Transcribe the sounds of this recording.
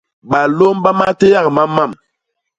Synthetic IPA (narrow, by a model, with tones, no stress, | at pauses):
ɓa˨lo˦mba˦ma˦te˦ja˦˨k̚ma˦mːa˦˨m